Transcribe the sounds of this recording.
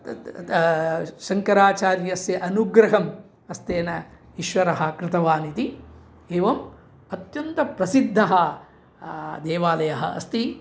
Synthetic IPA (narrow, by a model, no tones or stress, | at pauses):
sɐŋkɐɾaːt͡ʃaːɾjɐsjɐʔɐnuɡɾɐɦɐm | ɐst̪eːnɐ | iʃʋɐɾɐɦɐ̆kɾɪt̪ɐʋaːnit̪i | eːʋɐm | ɐt̪jɐnt̪ɐpɾɐsid̪ʱːɐɦɐ | d̪eːʋaːlɐjɐɦɐ̰ʔɐ̰st̪i